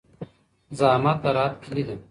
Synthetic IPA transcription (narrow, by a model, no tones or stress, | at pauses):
zaːmɐt̪̚d̪ɐɾaːt̪̚pʰilid̪ɨ